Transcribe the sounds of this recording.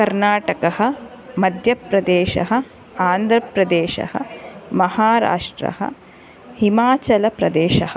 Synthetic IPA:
kɐɾnaːʈɐkɐɦɐ̆ | mɐd̪ʱjɐpɾɐd̪eːʃɐ̰ɦɐ̆ | aːnd̪ʱɾɐpɾɐd̪eːʃɐ̰hɐ̰mɐhaːɾa̰ːʂʈɾɐ̰ɦɐ̰ | himaːt͡ʃɐlɐpɾɐd̪eːʃɐ̰ɦɐ

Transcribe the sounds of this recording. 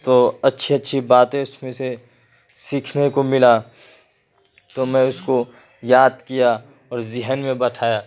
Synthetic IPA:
t̪oːɐtːʃʰiɐtːʃʰibaːt̪ẽʊsmẽse | siːkʰnekomɪla | t̪omɛ̃ʊsko | jaːd̪kija | ɔːɾzɪɦənmẽbɐt̪ʰaːjaː

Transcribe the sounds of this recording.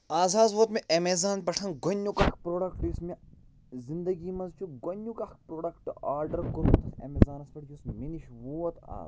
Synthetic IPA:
aːzaːzʋoːt̪meʔɐmeːzaːnpɐʈʰɐnɡɐnːukɐkʰpɾoːɖɐkʈjusme | zind̪ɐɡiːmɐnzt͡ʃʰuɡonʲːukɐkpɾoːɖɐkʈaːɾɖɐɾkoɾut̪ɐsɐ̰mezaːnɐspɐʈʰjusminiʃʋoːɐt̪a̰ː

